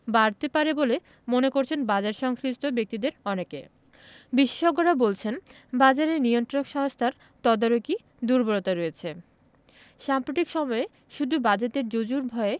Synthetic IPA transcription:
baɾt̪epaɾebole | monekoɾt͡ɕʰenbad͡ʑaɾʃɔŋskist̪ʰobek̚t̪id̪eɾɔneke | biʃe̥ʃɔɡːoɾabolt͡ɕʰen | bad͡ʑaɾeɾniont̪ɾonokʃɔɦost̪ʰaɾ | t̪ɔd̪aɾoki | d̪uɾbʱoɾot̪aɾojet͡ɕʰe | ʃampɾoʈ̪ikʃɔmɔe | ʃud̪ʱubad͡ʑet̪eɾd͡ʑod͡ʑuɾbʱɔe

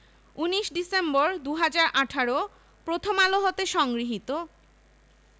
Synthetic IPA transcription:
uniʃɖisemboɾd̪uɦad͡ʑaɾʔaʈʰaɾo | pɾot̪ʰomaloɦot̪eʃɔŋɡɾiɦit̪o

